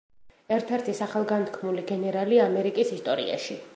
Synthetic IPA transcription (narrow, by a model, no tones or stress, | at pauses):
ɛɾt̪ʰɛɾt̪ʰisaχalˠɡant̪ʰkʰmuliɡɛnɛɾaliamɛɾikʼisist̪ʼɔɾḭa̰ʃi